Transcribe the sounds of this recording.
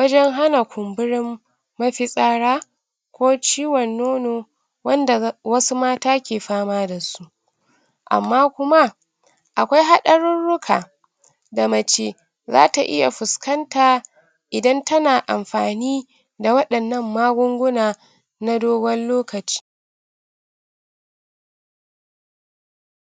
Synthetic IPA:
wɐ˦d͡ʒɛ˦ŋɦa˦na˨kʷʊ˨mbʊ˦ɽɪ˦mː | ɐ˦ɸi˨sʼaː˦ɽaː˦ | kʷoː˦t͡ʃiː˦wɔ˨nːoː˦noː˨ | wɐ˦nda˨wɐ˦su˦maː˦taː˦kʲeː˨ɸaː˦maː˦da˨su˦ʔ | ʔa̰˨mːaː˦kʷʊ˦ma˦ | ʔa˨kʷa˦jɦa˦ɗɐ˦ɽɪ˦nɽʊ˦kʰaː˨ | da˨mɐ˨t͡ʃeː˦ | za̰ː˦ta˨ʔɪ̰˦ja̰˨ɸʊ˨skɐ˦ntaː˨ | ʔɪ˨dɐ˦ntɐ˦naː˨ʔa˨mɸaː˨niː˦ | da˨wɐ˦ɗɐ˨nːɐ˦mːaː˦ɡʷʊ˦ŋɡʷʊ˦naː˨ | na˦doː˦ɡɐ˦nloː˦kɐ˨t͡ʃi̥ː˦

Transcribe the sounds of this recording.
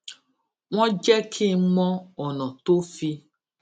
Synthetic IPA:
w̃ɔ̃˦d͡ʒɛ˦kʰi˦˨˦mɔ̃˦ɔ˨nɔ̃˨to˦fi˧

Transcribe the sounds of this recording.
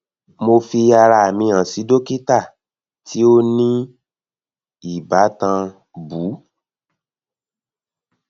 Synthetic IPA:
mo˧fi˧a˧ɾa˧a˨mĩ˧ã˨si˨˦do˦ki˦ta˦˨ | tʰi˨˦o˦nĩ˦ | i˦˨ba˨˦tã˧ | bu˨˦

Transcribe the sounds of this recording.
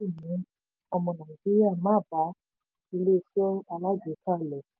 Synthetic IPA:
i˦˨nĩ˨˦ | ɔ˧mɔ̃˧˨nã˨ɡi˦a˦˨mã˦˨ba˨˦ | i˧le˦˨sɔ˦a˧la˦d͡ʒe˨˦kʰa˦˨lɛ˨

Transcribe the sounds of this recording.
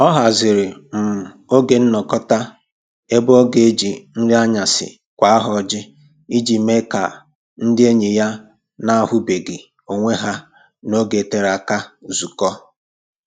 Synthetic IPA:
ɔ˦ɦa˨zɪ˨ɾɪ˨m̩˨ | o˦ɡe˨n̩˦nɔ˨kɔ˦ta˦ | e˦bʊ˦ɔ˦ɡe˨e˦d͡ʒi˨n̩˦ɾi˦a˦ɲa˨sɪ̰˨ | kʷa˨a˦ɦɔ˨d͡ʒɪ˦ | i˦d͡ʒi˨me˦ka̰˨ | n̩˦dɪ˦e˦ɲe˨ja˦ | na˦a˨ɦʊ˦be˨ɡɪ˨ | o˨ŋʷe˦ɦa˦ | no˦ɡe˨te˦ɾa˨ka˦zu˨kɔ˦

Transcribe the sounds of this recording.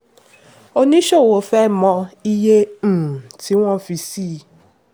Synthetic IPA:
o˦nĩ˦ʃo˦˨wo˨fɛ˦mɔ̃˧i˦je˦m̩˨ti˨˦w̃ɔ̃˦fi˧si˦˨

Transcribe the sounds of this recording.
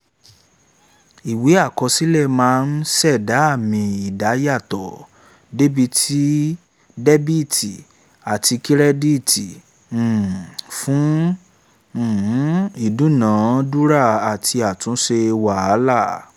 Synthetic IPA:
i˨we˨˦a˦˨kɔ˧si˦lɛ˦˨mãː˨˦˧n̩˦sɛ˦˨da˨˦a˦˨mĩ˧i˨da˨˦ja˦˨tɔ˨ | de˦bi˧tʰi˦ | de˦bi˦˨ti˨ | a˨tʰi˧ki˦ɾɛ˦di˦˨tĩ˨ | fũ˦˨˦ | i˦˨dũ˨˦nã˨˦du˦ɾa˦˨a˨tʰi˧a˨tũ˨˦ʃe˧wa˨a˨˦la˦˨

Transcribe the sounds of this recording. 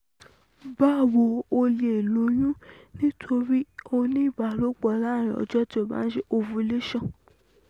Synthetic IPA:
ba˦˨wo˧˦o˧le˧e˨lo˨˦j̃ũ˦nĩ˦tʰo˧ɾi˦o˧nĩ˦˨ba˨˦lo˦k͡pɔ˧˨la˦˨ɾ̃ĩ˨ɔ̰˨d͡ʒɔ˦ti˦o˦˨ba̰˨˦n̩˦ʃe˦ʔo˧fu˧˦le˦ʃã˦˨

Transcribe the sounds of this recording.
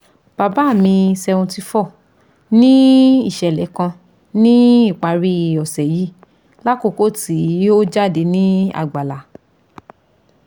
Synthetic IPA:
b̥a˨ba˨˦˨mĩ˧sɛ˧ũ˧ti˧fɔ˦˨ | nĩ˦i˦˨ʃɛ˨lɛ˨˦kã˧ | nĩ˦i˦˨k͡pa˨˧ɾi˧˨ɔ˨sɛ˨ji˨˦ | la˦ko˦˨ko˦ti˨˦˨o˦d͡ʒa˦˨de˧nĩ˦a̰˦˨ɡ͡ba˨la˨˦

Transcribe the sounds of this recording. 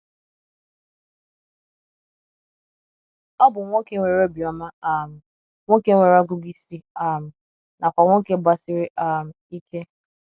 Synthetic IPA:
ɔ˦bʊ˨ŋʷo˦ke˦ŋʷe˨ɾo˦bi˨ɔ˨ma˦a˨m̩˨ | ŋʷo˦ke˦ŋʷe˨ɾa˦ɡu˦bi˦si˦a˨m̩˨ | na˨kʷa˨ŋʷo˦ke˦ba˦sɪ˦ɾɪ˦ʔa˦˨m̩˨i˦ke˦

